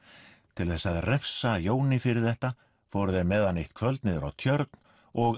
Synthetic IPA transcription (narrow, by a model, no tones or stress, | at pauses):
t̪ʰɪlθɛsːaðrɛfsajoːwnɪfɪɾɪɾ̥θɛht̪a | fowɾʏðɛɾmɛːðanejht̪kʰvœlt̪nɪðʏɾa̰wt̪ʰjœɾt̪n | ɔɣ